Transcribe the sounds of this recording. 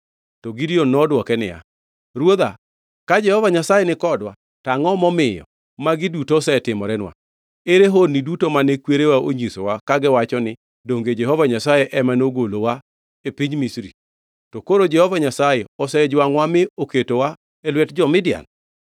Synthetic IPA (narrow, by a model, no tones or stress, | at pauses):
tɔɡidionːɔdwɔkɛnɪ̰ja̰ | ɾwod̪a | kad͡ʒɛhɔvaɲasajɛnɪkɔdwa | taŋɔmɔmɪjɔ̰ | maɡɪdutosɛtɪmɔɾɛnwa̰ | eɾeɦonːidutomanekweɾewaʔoɲisowakaɡɪwat͡ʃɔnɪ | doŋɡed͡ʒɛhɔvaɲasajɛʔɛmanoɡolowa | epiɲmisɾḭ | tɔkoɾod͡ʒɛhɔvaɲasajɛɔsɛd͡ʒwaŋwamɪoketowa | ɛlwɛtd͡ʒɔmɪdja̰n